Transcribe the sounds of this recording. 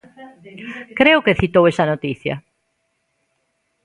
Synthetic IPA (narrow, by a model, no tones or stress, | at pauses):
kɾeʊkeθit̪owesɐnot̪iθjɐ̰